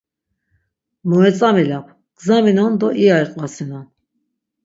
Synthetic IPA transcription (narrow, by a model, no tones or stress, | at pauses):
mɔɛt͡sʼamilapʰ | ɡ̥zaminɔnd̪ɔʔiaiqʼvasina